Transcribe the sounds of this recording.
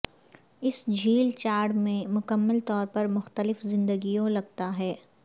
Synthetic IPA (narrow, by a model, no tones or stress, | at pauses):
ɪsd͡ʒʱiːlt͡ʃaːɾɖmẽmʊkəmːəlt̪ɔːɾpɐɾmʊxt̪əlɪfzɪ̃nd̪əɡijõlɐɡt̪aɦɛː